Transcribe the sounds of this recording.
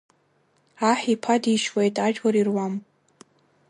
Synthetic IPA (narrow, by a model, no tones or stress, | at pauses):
aħipʰadiʃwejtʼaʒᶣɡaɾirwam